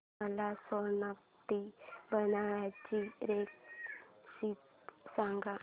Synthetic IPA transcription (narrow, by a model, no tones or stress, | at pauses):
əlasɔnak̚t̪ibənaʋjat͡ɕiɾek̚ | sit̪̚ | sãŋɡa